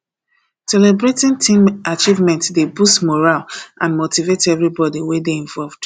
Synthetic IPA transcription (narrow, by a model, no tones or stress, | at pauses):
sɛlɛbɹetĩntʰĩmʔat͡ʃivmɛ̃ntdebustmɔɹalʔãnmotivetɛvɹibɔdiwɛdeĩɱvɔlvd̥